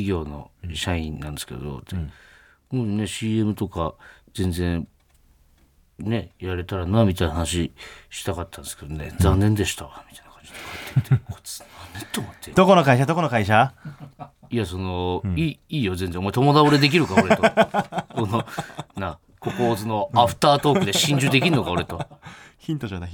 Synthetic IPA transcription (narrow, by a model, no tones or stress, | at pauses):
iɡʲo̞ːno̞̰ɕaĩnːã̰nd̪esɨ̥kḛd̪o̞̰t̪ːe | moːne̞ɕiːe̞mɯ̟t̪o̞kad͡zẽ̞nd͡zẽ̞ɰ | ne̞jaɾe̞t̪aɾanamʲit̪ajnaɦanaɕ̬iɕi̥t̪akat̪ːãnd̪esɨ̥ke̞d̪one̞d͡zd͡zãnːẽ̞nd̪e̞ɕi̥t̪aamʲit̪ainḁkãɲd͡ʑi̥t̪ːokʰaet̪ʰːet̪ːeko̥t͡sanet̪ːoːmot̪ʰːed̪oko̞no̞kaiɕad̪okonokaiɕ̬a | iaso̞noiːiːjo̞zẽnd͡zẽomaet̪o̞mo̞d̪aoɾe̞d̪e̞k̬ʲiɾɯ̟kaoɾet̪kono̞nã | ko̞ko̞ːzɨno̞aɸɯ̟̥t̪aːt̪oːkɯ̟d̪e̞ɕĩɲ̟d͡ʑɨːd̪e̞kdʲiɾɯno̞kao̞ɾe̞t̪o̞çĩnt̪oɕoːd̪a